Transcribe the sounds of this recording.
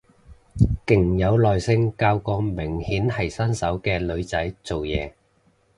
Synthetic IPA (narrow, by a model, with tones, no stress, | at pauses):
kɪ˨˩ŋjɐ˨˧wlɔː˨jsɪ˧ŋkaː˧wkɔː˧mɪ˨˩ŋhiː˨˥nhɐ˨˩jsɐ˥nsɐ˨˥wkɛː˧lɵ˨˧ɥt͡sɐ˨˥jt͡so˨wjɛː˨˧